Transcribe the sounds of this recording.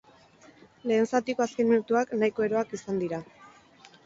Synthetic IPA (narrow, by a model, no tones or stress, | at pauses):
le̞ːnsat̪iko̞askenminut̪uaknajko̞e̞ɾo̞akisand̪iɾa